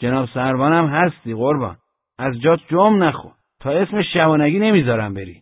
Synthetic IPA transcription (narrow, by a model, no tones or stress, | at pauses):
d͡ʒenɒːbsæɾbɒːnæmɦæst̪iːɣoɾbɒ̰ːn | æzd͡ʒɒːt̪̚d͡ʒomnæxo̰ | t̪ʰɒːe̞smeʃævɒːnæɡʲiːne̞mizɒːɾæmbeɾḭ